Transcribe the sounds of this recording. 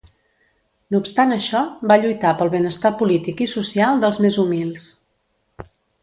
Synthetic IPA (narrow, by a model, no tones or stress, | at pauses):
nuːpst̪anəʃɔbaʎujt̪apəlˠβənəst̪apulit̪ikisusialˠd̪əlˠzmezumilˠs